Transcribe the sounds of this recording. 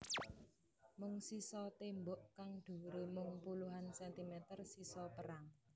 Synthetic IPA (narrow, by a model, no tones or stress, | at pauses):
mʊŋsisɔt̪embʊʔkaŋɖ̪̥ṳɾemʊŋpuluɦansɛnt̪imɛt̪ərsisɔpəɾaŋ